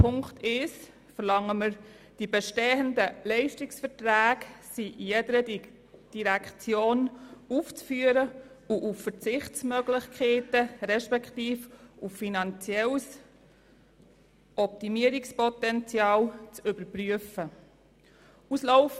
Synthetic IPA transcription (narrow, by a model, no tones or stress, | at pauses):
pʰʊŋktʰɪʃ | fəɾlɑŋːəməɾ | d̥ibɛʃteːəndəlɛɪʃtɪksfəɾtɾæːksiʔjɛdəɾə | d̥iɾækχt͡sjoːnuft͡sfyəɾə | uʔuffəɾt͡sɪχtt͡smœɡlɪχkʰeːtəɾɛʃpɛkχtiːfuffinɑnt͡sjɛls | ʔɔp̚timiəɾikspɔtɛnt͡sjɑːlt͡sʏbəɾpɾyəfə | usloʊf